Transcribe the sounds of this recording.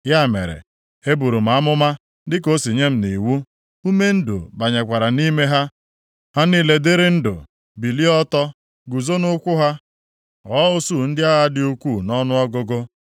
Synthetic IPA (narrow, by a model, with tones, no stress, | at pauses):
ja˦˨mḛ˨ɾḛ˨ | e˦bu˨ɾu˨m̩˨a˨˦mʊ˦ma˦ | dɪ˦ko˦si˨ɲe˦m̩˦ni˨wu˦ | u˦me˦n̩˦dʊ̰˨ba˨ɲe˨kʷa˨ɾa˨ni˦me˦ɦa˦ | ha˦ni˦le˨de˦ɾɪ˦n̩˦dʊ̰˨ | bi˨li˦ɔ˦tɔ˦ | ɡu˨zo˦nʊ˦kʷʊ˦ɦa˦ | ɔ˦o˦su˦˨n̩˦dɪ˦a˦ɣa˦dɪ˦u˦kʷu˦˨nɔ˦nʊ˦ɔ˦ɡʊ˦ɡo˦